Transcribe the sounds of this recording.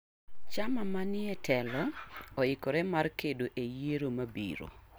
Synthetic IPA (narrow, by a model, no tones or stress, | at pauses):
t͡ʃamamanɪɛtʰɛlɔɔɪkɔɾɛmarkedoʔejeɾomabḭɾo̰